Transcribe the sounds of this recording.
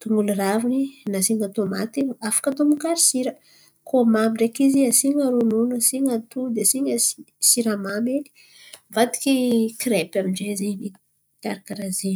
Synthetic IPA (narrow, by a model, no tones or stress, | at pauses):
t̪uŋuluɾavuninasiŋat̪uma̰t̪iafḁkat̪umukaɾisiɾə | komamiɳɖ͡ʐekiziasiŋəɾununəsiŋat̪ud̪esiɲəisiɾamame̥ | vat̪i̥kikiɾepʲamiɳɖ͡ʐezeni | t̪aɾakaɾazi